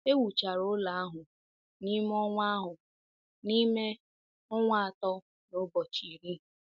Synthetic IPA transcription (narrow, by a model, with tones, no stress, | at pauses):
e˦wu˨t͡ʃa˨ɾo˦la˨a˦ɦʊ˨ | ni˦m˦ɔ˦ŋʷa˦ɦʊ˨ | ni˦me˦ | ɔ˦ŋʷa˦a˨tɔ˦ | no˦bɔ˨t͡ʃi˨ɾi˦˨